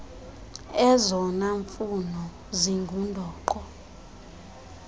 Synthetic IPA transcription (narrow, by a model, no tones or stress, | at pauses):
ɛzɔnaɱfunɔ | ziŋɡʱundʱɔːǃɔ